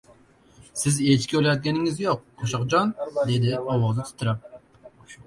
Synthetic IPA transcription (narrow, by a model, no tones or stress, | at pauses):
sɪzet͡ʃkʲøljɑt̪̚ɡʲɛnɪŋɪzjoq̚ːʰoʃɑqd͡ʒɑnd̪ed̪ɪɑwɑzɨt̪ʰɨ̥p̚t̪ʰːɨɾɑp̚